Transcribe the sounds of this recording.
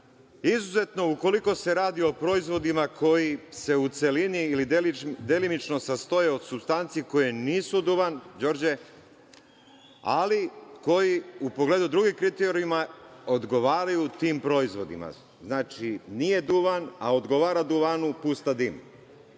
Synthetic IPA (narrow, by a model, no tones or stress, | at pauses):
izuze̞t̪no̞uko̞liko̞se̞ɾaːd̪io̞pɾo̞izʋo̞d̪imakʰo̞jise̞ut̪se̞liniːlid̪elimit͡ʃno̞sast̪o̞jeod̪supst̪ant̪siiko̞jeniːsud̪uʋand͡ʑo̞ɾd͡ʑe̞ | a̰liko̞jiupo̞ɡled̪ud̪ɾuɡikɾit̪eɾimao̞d̪ɡo̞ʋaːɾajut̪iːmpɾo̞izʋo̞d̪ḭma̰ | znaːt͡ʃinije̞d̪uʋanaod̪ɡo̞ʋaːɾad̪uʋanupust̪ad̪im